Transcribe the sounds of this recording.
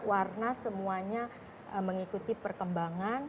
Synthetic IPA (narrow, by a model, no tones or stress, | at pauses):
warnasəmuaɲa | əməŋikut̪ipərkəmbaŋan